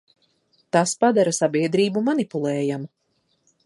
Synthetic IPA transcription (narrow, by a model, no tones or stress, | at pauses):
t̪aspad̪aɾasabiɛd̪ɾiːbumanipulˠɛːjam